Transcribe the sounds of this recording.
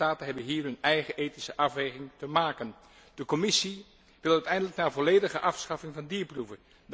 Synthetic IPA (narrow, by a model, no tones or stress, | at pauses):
aːtənɦɛbənɦiːrɦɵnɛjχəʔejtisəʔɑfʋejχɪŋtəmaːkən | d̥əkomɪsi | ʋɪlˠœɥtɛjndələknaːvɔleːdəχəʔɑfsχɑfɪŋvɑndiːɹpruvə | d